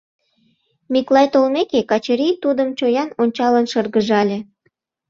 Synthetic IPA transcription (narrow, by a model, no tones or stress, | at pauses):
miklɑjt̪olmekekɑt͡ɕəɾijt̪ud̪əmt͡ɕojɑnonʲt͡ɕɑlənʃɤrɣəʒɑlʲe